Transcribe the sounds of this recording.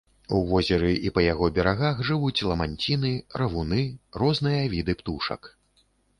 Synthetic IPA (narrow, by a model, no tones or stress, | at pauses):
uvɔzʲɛɾɨʔipɐjaɣɔbʲɛɾaɣaxʐɨvut͡sʲlˠɐmanʲt͡sʲinɨɾɐvunɨrɔznɨjɐvʲid̪ɨpt̪uʂɐ̰k